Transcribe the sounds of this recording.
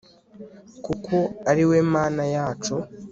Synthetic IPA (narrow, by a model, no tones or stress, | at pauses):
kukʰo̞aɾiwe̞ːmaːnajaːt͡ʃu